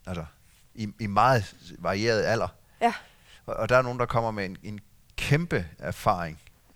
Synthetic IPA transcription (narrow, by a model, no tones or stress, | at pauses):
ælsɐ | iimɑ̈ːð̩ˠʋɑ̈ʁie̝̰ːɐð̞ˠæl̰ɐ | ɒʔɒ̽d̥ɑ̈æɐno̝ːn̩dɑ̈kʰɒ̽m̰ɐmeene̝n | kʰemb̥əæɐfɑ̰̈ːʁeŋ